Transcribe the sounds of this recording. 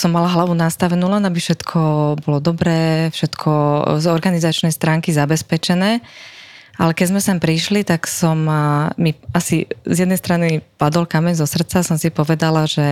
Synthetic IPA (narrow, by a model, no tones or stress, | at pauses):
sɔmːalaɦlaʋunast̪aʋɛnuːlɛnabifʃɛt̪kʰɔbɔlɔd̪ɔbɾɛːfʃɛt̪kʰɔzɔɾɡanizat͡ʃnɛjst̪ɾaːŋkizabɛspɛt͡ʃɛnɛː | ʔalɛkɛɟzmɛsɛmpɾiʃlit̪aksɔmmiasizjɛd̪nɛjst̪ɾanipad̪ɔlkamɛɲzɔsr̩t̪t͡sasɔmsipɔʋɛd̪alaʒɛ